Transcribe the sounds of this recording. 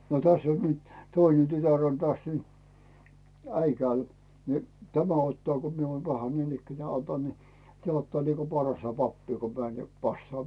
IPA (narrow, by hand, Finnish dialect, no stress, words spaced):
no tæsː on nyt tøine tytær on tæs nyt æikæːl ni tæmæ otːɑː ko mie oːm pɑhɑ niːnikːænæː otɑn ni tĕæˑ otːɑː niko pɑrɑstɑ pɑpːiː ko mæːn jɑ pɑsːɑː